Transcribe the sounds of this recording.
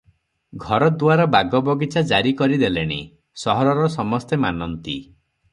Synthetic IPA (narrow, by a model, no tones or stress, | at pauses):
ɡʱɔɾɔd̪uaɾɔbaɡɔbɔɡit͡ʃad͡ʒaɾikɔɾid̪eleɽ̃ḭ | sɔɦɔɾɔɾɔsɔmɔst̪emanɔnt̪ḭ